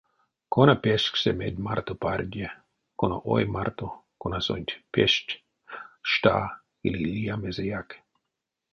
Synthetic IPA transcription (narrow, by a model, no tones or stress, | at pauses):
konapeʃksemed̪ʲmart̪oparʲd̪ʲe | konoʔojmaɾt̪o | konaso̰nʲt̪ʲpeʃcʲ | ʃt̪a̰ː | ḭlilijamezejak